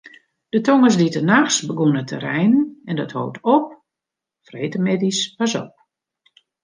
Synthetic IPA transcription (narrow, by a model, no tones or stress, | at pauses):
d̥ətɔŋəsditənaxsbəɡunətʰə̰ɾɛjnɛndɔtho̰ːwtɔp̚ | freːtəmɪdispasɔ̰p̚